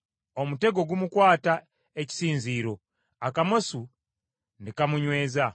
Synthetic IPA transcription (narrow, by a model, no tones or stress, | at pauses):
omute̞ɡo̞ɡumukwaːta | e̞ci̥siːnziːɾo̞ | akamosu | ndekamuɲwe̞ːza